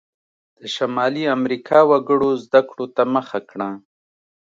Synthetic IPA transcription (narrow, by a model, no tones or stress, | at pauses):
d̪̥əʃamɑliamɾikʰɑwaɡəɽozd̪akɽot̪aməxakɽa